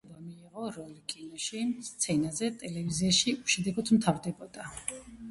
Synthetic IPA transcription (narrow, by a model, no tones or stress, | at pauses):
bamiːʁɔɾɔlikʼinɔʃist̪sʰɛnazɛt̪ʼɛlɛviziɛʃiuʃɛd̪ɛɡɔt̪ʰmt̪ʰavd̪ɛbɔd̪a